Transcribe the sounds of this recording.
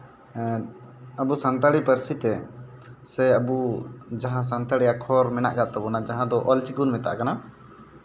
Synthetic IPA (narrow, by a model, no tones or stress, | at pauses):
əbusant̪aɽipəɾsit̪ɛ | sɛəbud͡ʒaɦãs̬ant̪aɽijakʰɔɾmɛna̰ʔɡaʔt̪ɔbɔnad͡ʒaɦãd̪ɔʔɔlt͡ʃiɡunmɛt̪a̰ʔkana